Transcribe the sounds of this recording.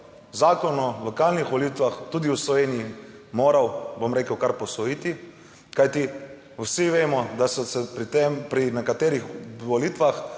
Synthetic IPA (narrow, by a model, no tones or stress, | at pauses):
zaːkɔnɔlɔkaːlnixʋɔlit̪ʋaxt̪uːd̪iuslɔʋeːnijimoːɾawbomɾeːkəwkaɾpɔsɔjiːt̪i | kajt̪i | wsiʋeːmɔd̪asɔsɛpɾit̪empɾinɛkat̪eːɾixʋɔliːt̪ʋax